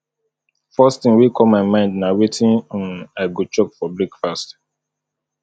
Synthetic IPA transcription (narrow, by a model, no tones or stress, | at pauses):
fɔsttĩŋwikʰɔmaɪmãɪ̃ndnawetʰĩnɔ̃naɪɡot͡ʃɔkfɔbɹɛkfast